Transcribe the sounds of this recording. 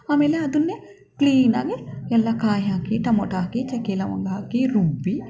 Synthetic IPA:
aːmeːleɐd̪unːe | kliːna̰ːɡeɛlːɐkaːjaːkiʈɐmɔʈaːkit͡ʃɛkeːlɐʋɐ̰ŋɡaːkiɾubːi

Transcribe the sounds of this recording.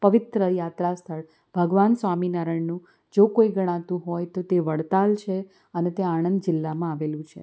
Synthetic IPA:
pəʋɪt̪ɾəjat̪ɾast̪ʰəɭ | b̥ʱəɡʋansʋaminaɾəɳnũ | d͡ʒokoiɡəɽ̃ãt̪ũɦojt̪ot̪eʋəɽt̪alt͡ʃʰe | ənet̪eaɽ̃ənd̪d͡ʒɪlːamãaʋelũt͡ʃʰḛ

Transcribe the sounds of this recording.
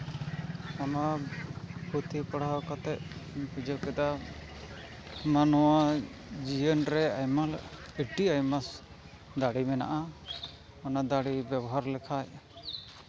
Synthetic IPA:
ama | bʱut̪ʰipɔɽakɔt̪ɛʔ̪̚bid͡ʒəkɛd̪a | manɔwad͡ʒijənɾɛajmaliʈiajmas | d̪aɽimɛna̰ʔa | ɔnad̪aɽibɛbɔɦaɾlɛkʰaj

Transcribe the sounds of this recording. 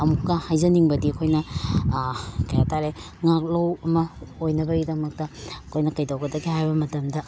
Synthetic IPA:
ɐmukːɐhajzɐniŋbɐdiɐkʰojnɐ | kɐjataɾe | ŋak̚lowɐmɐojnɐbɐɡidɐmɐk̚tɐkʰojnɐkɐjdawɡɐdɐɡihajbɐmɐtɐmdɐ

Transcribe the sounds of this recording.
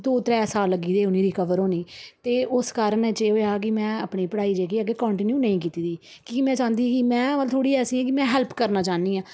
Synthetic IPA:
d̪oːt̪ɾɛːsaːlːəɡiːd̪eːʊniːɾɪkəʋəɾoːniːt̪eːʔʊskaːɾənɛt͡ʃeːoːjaːk̬ɪmɛ̃ːə̰pɳiːpəɽaːiːd͡ʒeːkiːəɡːeːkɔ̃ːɳʈiːnjuːnəĩːk̬iːt̪iːd̪iː | kiːkɪmɛ̃ːt͡ʃãːnd̪iːɛ̃ːkɪmɛ̃ːʋəlt̪ʰoːɽiːɛːsĩːɛ̃ːk̬ɪmɛ̃ːɦɛːlpkəɾnaːt͡ʃãːniːãː

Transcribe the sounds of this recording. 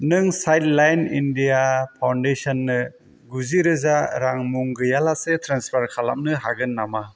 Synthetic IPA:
nɯŋsajtlajnindijapʰawndesɔnːɯ | ɡuziɾɯzaɾaŋmuŋɡɯjalasetʰɾanspʰaɾkʰala̰m̚nɯɦaɡɯnːama

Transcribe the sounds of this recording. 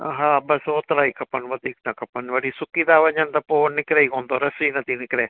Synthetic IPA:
ɦãːbɐsoːt̪ɾaːiːkɐpənʋɐd̪iːk̚t̪akɐpənʋɐɽisʊkiːd̪aːʋɐɲɐnt̪apoːnɪkɾeikõːnd̪oɾɐsinɐt̪ʰinɪkɾeː

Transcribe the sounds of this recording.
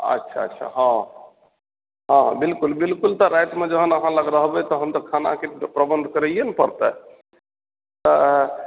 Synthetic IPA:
ə̰tːʃʰa̰ə̰tːʃʰa̰ɦɔ̃ | ɦɔ̃ɦbilkulbilkult̪ɔɾajt̪med͡ʒəɦənəɦãləɡɾəɦbɛt̪ɔɦəmt̪ɔkʰana̰kepɾəbənd̪ʱkəɾəijenpəɾt̪ɛ | t̪ɔ

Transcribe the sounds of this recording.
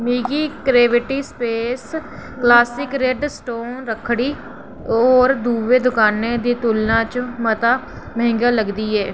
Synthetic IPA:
miːɡiːɡɾeːʋɪʈiːspeːs | klaːsɪkɾeɖsʈoːnɾəkʰɽiː | ɔːɾd̪uːʋeːd̪ʊkaːneːd̪iːt̪ulnãːt͡ʃmət̪aː | məɦɪ̃ŋɡaːləɡd̪iːɛː

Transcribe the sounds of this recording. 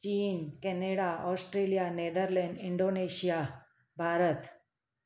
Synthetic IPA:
t͡ɕiːnkɛneɽaɔsʈɾelijaned̪əɾlɛɳɖiɳɖoneɕija | bʱaɾət̪

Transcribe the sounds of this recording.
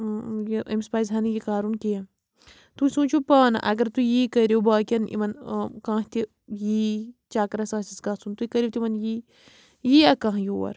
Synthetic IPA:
jʔɐ̰mspaːjzɦɐnijikaːɾunkijɐ | t̪usũːt͡ʃʰupɐnʔɐ̰ɡɐɾt̪ujiːkɐɾobaːkʲɐnḭmɐnkãːɦt̪i | jiːt͡ʃaːkɾɐsãːsiskãːsunt̪uikɐɾʲjot̪ʲimɐnji | jiɐkãːɦjowɐ̰ɾ

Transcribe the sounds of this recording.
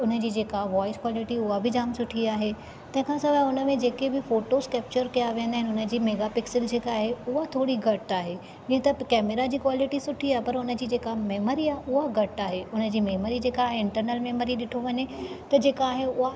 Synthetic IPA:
ʊnə̆d͡ʑiːd͡ʑeːkaɦʋɔːɪskwɔːlɪʈiʊɦabʱɪd͡ʑaːmsʊʈʰiaːɦe | t̪ɐ̃ɦɪ̃kʰãsɐbʱaʊnə̆mẽd͡ʑeːkebɪfoːʈoskɛːp̚t͡ɕəɾkijaʋiɦə̃nd̪aɦɪnɪʊnə̆d͡ʑiːmeːɡapɪksɪld͡ʑeːkaːɦeʊɦat̪ʰoːɽiɡʱɐʈaːɦe | d͡ʑĩːə̃t̪ɐkɛːmeɾad͡ʑiːkwaːlɪʈisʊʈʰiaːɦepɐɾʊnə̆d͡ʑiːd͡ʑeːkameːmoɾiaːɦeʊɦaɡʱɐʈaːɦeʊnə̆d͡ʑiːmeːmoɾid͡ʑeːkaːɦeɪ̃ɳʈəɾnəlmeːmoɾiɗɪʈʰoʋɐɲet̪ɐd͡ʑeːkaːɦeʊɦa

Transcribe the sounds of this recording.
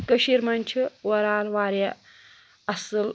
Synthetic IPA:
kəʃiɾmɐnʲt͡ʃʰiwɐɾaːlʋaːɾjɐ | ɐsɨl

